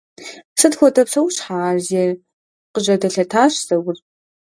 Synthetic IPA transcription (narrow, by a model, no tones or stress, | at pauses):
sɨtxʷɔtʰʼɐpsɐwɕħaːʒɛr | qəʑɐdɐɬɐtʰaːɕz̥ɐwʷʊr